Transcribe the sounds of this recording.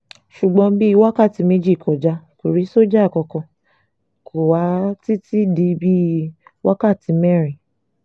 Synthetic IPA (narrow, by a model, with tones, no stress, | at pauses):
ʃu˨ɡ͡bɔ̃˨˧bi˦˧wa˦ka˦˨ti˨˧˦me˦d͡ʒi˦˨kʰɔ˨d͡ʒa˧˦ku˨ɾi˨˦so˦d͡ʒa˦˨kɔ˧kɔ̃˧ | kʰo˨wa˨˦ti˦ti˦di˧bi˦˧wa˦ka˦˨ti˨˧˦mɛ˦˨ɾi˨